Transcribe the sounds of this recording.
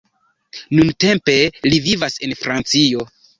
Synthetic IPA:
nunte̞mpe̞livivase̞nfɾant͡sio̞

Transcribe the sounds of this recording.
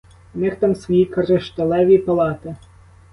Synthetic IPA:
nɪxt̪ɑmsʋɔjikɐɾɪʃt̪ɐlˠɛʋʲipɐlˠɑt̪ɪ

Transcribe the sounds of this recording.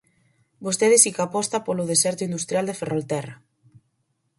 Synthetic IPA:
bost̪eðɪsikapɔst̪apolʊð̞esɛɾt̪ʊind̪ust̪ɾjald̪eferolt̪ɛra

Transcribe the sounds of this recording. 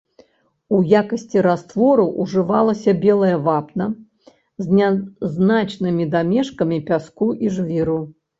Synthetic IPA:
ujakɐsʲt͡sʲiɾast̪vɔɾuʔuʐɨvalˠɐsʲɐbʲɛlˠɐjɐvapnɐ | zʲnʲaznat͡ʂnɨmʲid̪amʲɛʂkɐmʲipʲaskuʔiʐvʲiɾu

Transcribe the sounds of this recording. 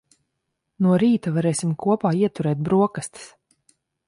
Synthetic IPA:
nuɔɾiːt̪avaɾɛːsʲimkʰuɔpaːiɛt̪uɾɛːt̪̚bɾuɔkast̪i̥s

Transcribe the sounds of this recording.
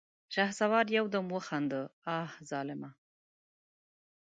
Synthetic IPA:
ʃahzawɑːɾjawd̪əmwəxand̪əɑhzɑlɪma

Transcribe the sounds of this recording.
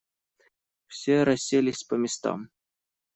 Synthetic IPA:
fsʲeɾɐsʲːelʲɪsʲpəmʲɪst̪ɑ̰m

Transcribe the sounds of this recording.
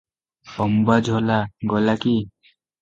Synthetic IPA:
ɔmbad͡ʒʱɔlaɡɔlaki

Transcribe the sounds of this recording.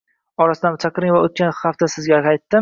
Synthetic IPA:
ɒɾasɪd̪anmt͡ʃʰɑqɾɪŋvaot̪̚kʲanhaft̪asɪzɡʲaqɑjt̪ːɪ

